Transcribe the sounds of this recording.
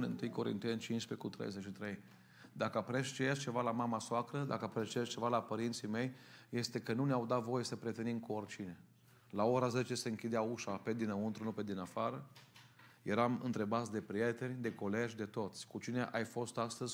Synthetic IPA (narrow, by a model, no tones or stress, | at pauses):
nɨnt̪ɨjko̞ɾḭnt̪enʲt͡ʃinʃpekut̪ɾḛjzet͡ʃʃit̪ɾe̞j | d̪akəapəɾeʃt͡ʃejeʃt͡ʃe̞valamamasoakɾəd̪akəapəɾeʃt͡ʃeʃt͡ʃe̞valapəɾint̪sime̞jje̞st̪e̞kənuneawd̪at̪vo̞je̞səpɾie̞t̪e̞nimkuorʲt͡ʃine̞ | lao̞ɾaze̞t͡ʃe̞se̞ɨŋkʲid̪eauʃape̞d̪inəunt̪ɾunuped̪inafaɾə | je̞ɾamɨ̰nt̪ɾe̞bat̪sʲd̪e̞pɾije̞t̪e̞nʲd̪e̞ko̞le̞ʒʲd̪e̞t̪o̞t̪sʲkut͡ʃine̞ʔajfo̞st̪ast̪əzʲ